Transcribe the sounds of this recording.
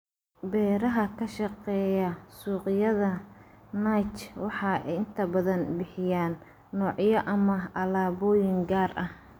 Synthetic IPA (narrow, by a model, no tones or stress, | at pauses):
bɛːɾɐɦɐkʰɐʃɑqɛːjɐsuːqɪjɐðɐnajt͡ʃwɑħɑːʔɛjɪnt̪ʰɐbɐðɐnbɪħɪjaːnː | ɔːʕjɐʔɐmɐʔɐlaːβɔːjɪŋɡaːrʔɐh